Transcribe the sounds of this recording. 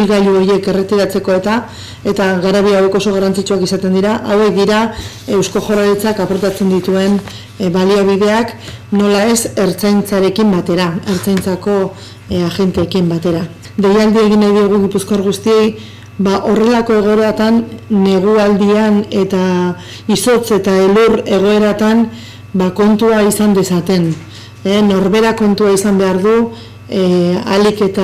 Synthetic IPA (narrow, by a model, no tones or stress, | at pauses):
lɣaʎuo̞je̞ke̞re̞t̪iɾat͡se̞ko̞e̞t̪a | e̞t̪aɣaɾaβiawe̞ko̞so̞ɣ̞aɾant͡sit͡ʃuakisat̪e̞nd̪iɾaʔawe̞k̚d̪iɾa | e̞wsko̞xo̞ralit͡sakapo̞ɾt̪at͡se̞nd̪it̪ue̞n | βaliaβ̞iðe̞akno̞laese̞ɾt͡sajnt͡saɾe̞kimbat̪e̞ɾae̞ɾt͡sajnt͡sako̞ | aɣe̞nt̪eːkimbat̪e̞ɾa | d̪ejald̪ie̞ɣinajðieɣ̞uɣ̞ipuskoaɾɣ̞ust̪ie̞j | βaʔo̞re̞lako̞e̞ɣ̞o̞e̞ɾat̪anːe̞ɣ̞uald̪iane̞t̪a | iso̞t͡se̞t̪aeluɾe̞ɣ̞o̞e̞ɾat̪an | bako̞nt̪uaisand̪e̞sat̪e̞n | eno̞ɾβe̞ɾako̞nt̪uaisambe̞aɾðu | a̰like̞t̪a